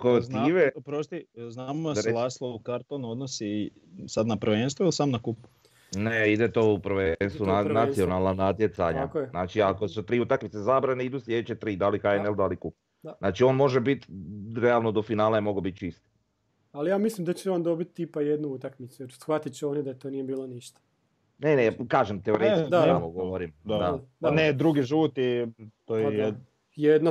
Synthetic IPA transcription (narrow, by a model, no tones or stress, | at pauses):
kot̪iːʋepɾost̪iznaːmasɾelaːslˠoukaɾt̪onod̪nosi | sad̪napɾʋeːnst̪ʋoilsaːmnakupu̥ | neid̪et̪o̞ːupɾʋensuanasio̞nalˠnanat̪jet̪sa̰ɲa̰keznaːt͡ʃiakosut̪ɾiːut̪akmit̪sezaːbɾaneid̪usljed̪t͡ʃet̪ɾiːd̪alixaeneld̪alikup | znaːt͡ʃio̞ːnmo̞ʒebit̪ɾealˠnod̪o̞finaːlajemo̞ɡobit̪̚t͡ʃist̪ | alijaːmislimd̪at͡ɕeond̪o̞bit̪t̪ipajed̪nuut̪akmit̪sujeɾsxʋat̪it͡ɕeoned̪aet̪oːnijebiːlˠoniʃt̪ḁ | nenekaːʒemt̪eoɾej̪ikd̪amoɡoʋoɾimd̪d̪aaned̪ɾuɡiʒuːt̪it̪ojj | jed̪na